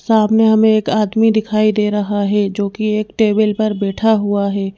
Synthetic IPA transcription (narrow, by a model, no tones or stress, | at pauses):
saːmneɦɐmẽeːkaːd̪mid̪ɪkʰaːid̪eːɾɐɦaɦɛd͡ʒoːkieːkʈeːbəlpɐɾbɛːʈʰaɦuaɦɛː